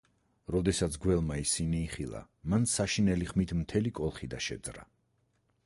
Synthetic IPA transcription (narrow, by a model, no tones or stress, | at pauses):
ɾɔd̪ɛsat̪sʰɡwɛlˠmaisiniːχilˠa̰ | mansaʃinɛliχmit̪ʰmt̪ʰɛlikʼɔlˠχid̪aʃɛ̰d̪zɾa̰